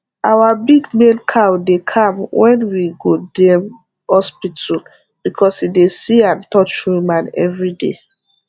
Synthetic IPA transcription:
ʔawabiɡmẽnkʰawdekʰãmwʔɛ̃nwiɡodɛ̃m | hɔspitʰɔl | b̥ikʰɔshidesiãntɔt͡ʃwumãnɛ̰vɹidḛ

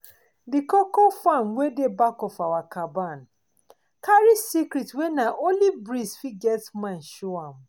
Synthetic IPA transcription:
dikɔkɔfamwedebakɔfawakaban | kaɾisikɾitwɛnaʔolibɾisfiɡɛtmãnʃoãm

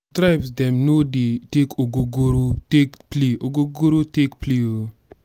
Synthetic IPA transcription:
tɾaɪpsdɛmnoditekʰoɡoɡoɾotekpliʔoɡoɡoɾotekplio

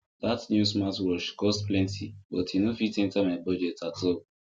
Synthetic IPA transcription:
datnjusmatwɔʃkɔstplɛ̃ntʰibɔtinofitẽntamabɔd͡ʒɛtato

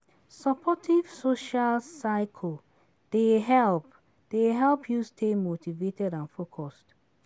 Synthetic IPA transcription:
sɔpʰɔtʰiv̥soʃalsaɪkʰl | d̥eɦɛlp | d̥eɦɛlpʰjustʰemotivetɛdãnfokʰɔst

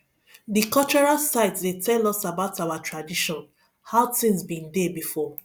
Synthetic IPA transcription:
dikɔt͡ʃɔɹasaɪtsdetʰɛlɔsabaʊtaʊatʰɹadiʃɔ̃n | haʊtĩnsbĩndebifɔ

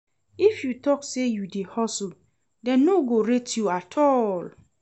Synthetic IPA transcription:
ifjutɔksejudehɔsl | dɛ̃nːoɡoɹetjuatʰɔl

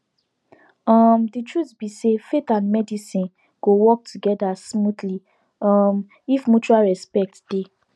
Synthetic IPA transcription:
ɔmditɹutbisefetãndmɛdisĩn | ɡ̥owɔk̚tʰuɡɛdasmutli | ɔm | ifmut͡ʃualɹɛspɛk̚td̥e

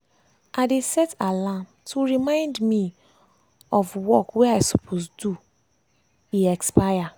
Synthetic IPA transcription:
ʔadesɛtalam | tʰuɹimãɪ̃ndmi | ɔfwɔkweajsupʰosdu | iɛkspaa

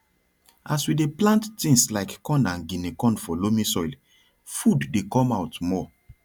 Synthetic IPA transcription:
aswideplãnttĩŋslaɪkːɔ̃ndãnɡĩnekɔ̃nfɔlomĩsɔjl | fudːekɔ̃maʊtmɔ

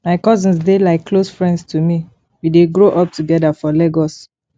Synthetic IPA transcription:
maɪkɔzĩnsdelaɪkʰːlosfɹɛ̃ndstʰumi | wideɡɹoʔɔp̚tuɡɛdafɔleɡɔs

